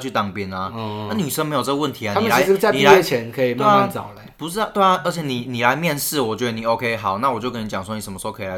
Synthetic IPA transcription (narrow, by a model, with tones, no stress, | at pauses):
t͡ɕʰy˥˩t̪ɑ˨˩ŋpjɛ˧˥na˨a˥˩ny˨˩ʂə˥ŋme˧˥jo˨˩ʈ͡ʂɤ˥ɡə˧wə˥˩nt̪ʰi˨˦a˨nʰ˥imə˨a˨˧ɪ˥t͡sa˥˧ni˨˩la˥jɛ˥˩t͡ɕʰjɛ˨˧˦nkʰɤ˧˥i˨˩ma˥e˥˩˥t͡sɑ̰˨˩ʊlə˨˦pu˧˥ɻ̩˥˧˥t̪wɪa˩ʔə˞˧˥t͡ɕʰjɛ˨˩ni˨˩ni˨˩la˨˧˦ɪmjɛ˥˧nʂɻ̩˥˩wɔ˨˩t͡ɕɥɛ˧˦d̪ə˧ni˨˩o˧˥ʊkʰe˧˦ɪɦɑ˨˩ʊna˥˩wɔ˨˩t͡ɕjo˥˧ʊkə˥ni˧t͡ɕɑ˨˩ŋswɔ˥ni˨˩ʂə˧˦mə˧ʂo˧kʰːi˨˩la˧˦˥